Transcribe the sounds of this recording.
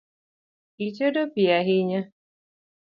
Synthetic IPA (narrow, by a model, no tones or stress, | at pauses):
it͡ʃedopijaɦɪɲa